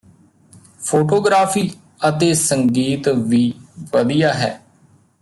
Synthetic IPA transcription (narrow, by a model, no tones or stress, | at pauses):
pʰoːʈoːɡɾaːpʰiː | ət̪eːsəŋɡiːt̪ʋiːʋəd̪ijaːɦɛ̰ː